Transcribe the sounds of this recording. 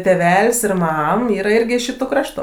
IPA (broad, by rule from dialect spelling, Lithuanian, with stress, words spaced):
tʲeːˈʋʲɛlʲsʲ ɪr ˈmɐm ˈiːrɐ ˈɪrʲɡʲɪ ɪʃ ˈʃʲɪtʊˈkrɑːʃtʊ